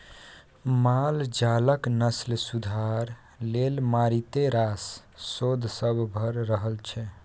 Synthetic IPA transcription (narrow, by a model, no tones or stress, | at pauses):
mald͡ʒaləknəslsud̪ʱaɾ | lelmaɾit̪eɾasː | od̪ʱsəbʱbʱəɾɾəɦəlt͡ʃʰɛ